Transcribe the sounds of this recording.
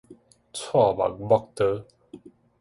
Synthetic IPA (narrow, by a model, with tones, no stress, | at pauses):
t͡sʰwa˥˨ba̰˨k̚bɔ˥˧k̚t̪ə˦